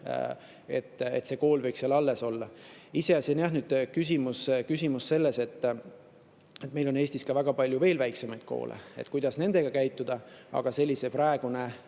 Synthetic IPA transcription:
e̞̰t̪ːˑet̪se̞ko̞ːlvɤjksjɑlɑlːe̞so̞lːɑise̞ɑsʲenæɦnyd̪̥kysʲimuskysʲimusːe̞lːese̞t̪ː | e̞t̪me̞jlo̞ne̞ːsʲt̪iskɑvæɡ̥ɑpɑlʲjuve̞ːlvæjksemɑjd̪̥̚kʰo̞̰ːlḛḛt̪kujd̪ɑsne̞nd̪̥e̞ɡ̥ɑkæjt̪ːˑud̪̥ɑɑ̰ɡ̥ɑse̞lʲːiseprɑeɡ̥une

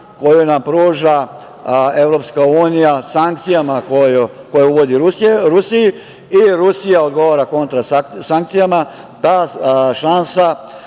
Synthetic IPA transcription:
ko̞junampɾuːʒa | e̞ʋɾo̞pskauːnijasaŋkt̪sijamakojo | kojeuʋo̞d̪iɾusieɾusiji | iɾusijaod̪ɡo̞ʋaɾako̞nt̪ɾasaŋk̚t̪sijama | d̪aʃansa

